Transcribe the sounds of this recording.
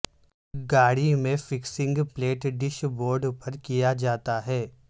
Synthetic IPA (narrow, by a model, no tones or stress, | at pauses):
ɡaːɽimẽfɪksɪ̃ŋɡpleːʈɖɪʃboːɾɖpɐɾkijad͡ʒaːt̪aɦɛː